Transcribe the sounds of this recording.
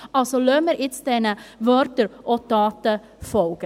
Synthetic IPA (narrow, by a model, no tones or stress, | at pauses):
ɑlsoløməɾʔɪt͡sdɛnəvœɾtəɾʔod̥ɑːtə | fɔlɡ̥ə